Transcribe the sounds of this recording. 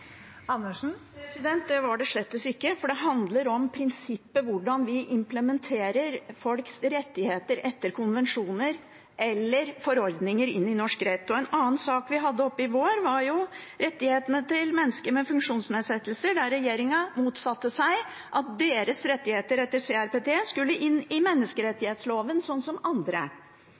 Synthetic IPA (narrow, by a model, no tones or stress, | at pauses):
ɑnːəʂn̩pʰɾɛsɪd̪ɛnt̪̚d̪ɛʋɑɖɛʂɭɛt̪ːəsɪkːəfɔɖɛɦɑnd̪ləɾɔmpʰɾɪnsɪpːəʋʊɖɑnʋɪʔɪmpləmɛnt̪ʰeːɾəɾfɔlksɾɛt̪ːɪheːt̪əɾʔɛt̪ːəɾkʰʊnʋɛnʂuːnəɾ | ʔɛlːəɾfɔɾɔɾd̪nɪŋəɾɪ̰nːɪnɔʂkɾeːt̪ʊɛnɑːənsɑːkʋɪɦɑd̪ːəɔpːəɪʋoːɾʋɑɾjʊ | ɾɛt̪ːɪheːt̪ənət̪ɪlmɛnːəskəɾmɛfʉŋkʂuːnsneːd̪sɛt̪ːəl̩səɖ̪æɾɛjeːɾɪŋɑmuːt̪sɑt̪ːəsæɪ | ʔɑt̪̚d̪eːɾəsɾɛt̪ːɪheːt̪əɾɛt̪ːəɾseːæɾpeːt̪ʰeːskʉlːəʔɪnːɪmɛnːəskəɾɛt̪ːɪheːt̪sloːʋənsɔnːsɔmɑnd̪ɾə̰